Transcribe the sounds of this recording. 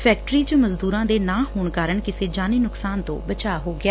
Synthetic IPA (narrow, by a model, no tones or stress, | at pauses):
pʰɛːk̚ʈəɾiːt͡ʃəməzd̪uːɾãːd̪eːnãːɦoːɳkaːɾəɳkɪseːd͡ʒaːniːnʊksaːnt̪õ̰ːbət͡ʃaːɦoːɡɪjaː